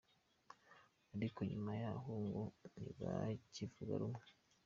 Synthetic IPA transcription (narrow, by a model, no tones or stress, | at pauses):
aɾikoɲumajaɦoŋɡonḭβacivuɡa̰ɾumŋe